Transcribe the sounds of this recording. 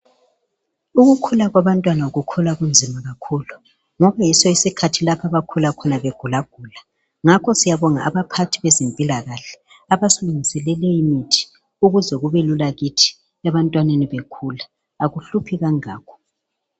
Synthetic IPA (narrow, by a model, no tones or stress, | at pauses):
uɣukʰulaɣwaβantʼwanauɣukʰulaɣund͡zʱimaɣakʰuːlu | ŋɔβajisɔisikʰatʰilapʰaβakʰulakʰɔnaβeɡ̥ʱulaɡ̥ʱuːla | ŋakʰɔsijaβɔŋaʔaβapʰatʰiβezimpʼilaɣaɬɛ̥ | aβasuluŋisɛlɛlɛimitʰi̥ | uɣuzɛɣuβelulaɣitʰi̥ | ɛβantʼwaneniβekʰulaː | ɣuɬupʰiɣaŋaːkʰɔ̥